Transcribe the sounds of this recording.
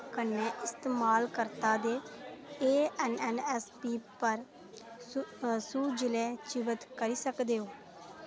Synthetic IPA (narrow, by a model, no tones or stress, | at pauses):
kənːeːʔɪst̪eːmaːlkəɾt̪aːd̪eːeːɛːnɛːnɛːspiːpəɾ | suːd͡ʒɪlɛːt͡ʃɪʋət̪kəɾiːsəkd̪eːɦoː